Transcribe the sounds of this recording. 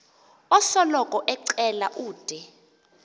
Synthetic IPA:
ɔsɔlɔkʼɔʔɛǀɛlaʔuːd̥ʱɛ

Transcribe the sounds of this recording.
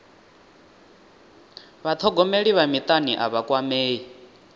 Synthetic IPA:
βat̪ʰɔɡɔmeɺiβamit̪ʼaniʔa̰βakʼwameːi

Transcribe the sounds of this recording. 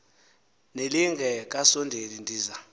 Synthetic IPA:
neliŋʱɛk̬ʼasɔndʱelindʱiːza

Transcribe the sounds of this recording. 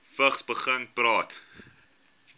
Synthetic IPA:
fəχsbəχəŋprɑːt

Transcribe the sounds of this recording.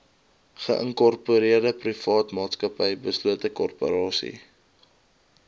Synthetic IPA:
χə̰ʔəŋkɔrpuɾiərdəprifɑːtmɑːtskəpəjbəsluətəkɔrpo̰ɾɑːsḭ

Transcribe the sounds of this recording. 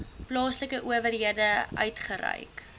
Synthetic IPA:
plɑːsləkəʔuəvərɦiədəʔœ̰ɥtχəɾɛ̰jk

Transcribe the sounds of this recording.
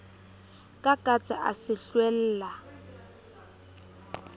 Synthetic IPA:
kʼakʼat͡sʼaʔa̰sɪɬwɛl̩ːla

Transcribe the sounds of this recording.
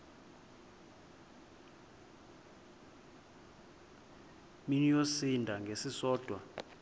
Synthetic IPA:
minijosindʱaŋɡʱesisɔːd̥ʱwa

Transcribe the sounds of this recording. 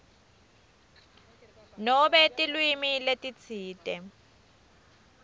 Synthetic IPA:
nɔbɛtʼilwimiletʼit͡sʰiːtʼɛ

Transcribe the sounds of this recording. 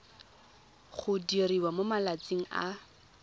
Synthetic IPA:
χʊdiriwamomalat͡sʼiŋ̩a̰

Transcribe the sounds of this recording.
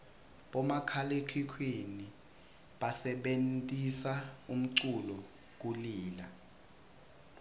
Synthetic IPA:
ɓɔmakʰalekʰikʰweni | ɓasɛɓentʼisaum̩ǀulɔ | k̬uliːla

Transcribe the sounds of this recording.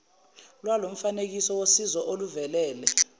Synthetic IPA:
lwalom̩fanek̬isɔwosizɔʔoluvɛlɛːlɛ

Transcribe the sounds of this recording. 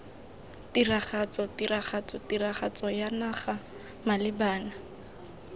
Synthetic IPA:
tiraχat͡sɔtiraχat͡sɔtiraχat͡sɔjanaχa | malɪbaːna

